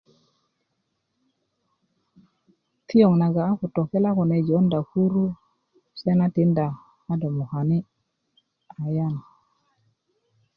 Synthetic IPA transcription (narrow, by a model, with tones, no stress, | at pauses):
ti˦jo˨ŋna˨ɡaː˨˦ku˨to˨ke˦la˦ku˨ne˨d͡ʒo˨˦nda˨ku˦ɾu˦ | se˦na˦ti˦nda˨ | a˦do˨mu˨ha˨ni˦ | a˨ja˦n˨